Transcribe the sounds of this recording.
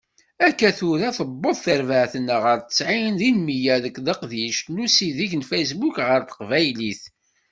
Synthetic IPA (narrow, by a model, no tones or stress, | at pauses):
ækːæθʊɾæθəbːoðˤθəɾvəʕθənəʁəɾt̪ə̥sʕinðinmijæðəkːðəqðiʃnusiðiʝənfæjs̬bukʁəɾt̪ə̥qvæjliθ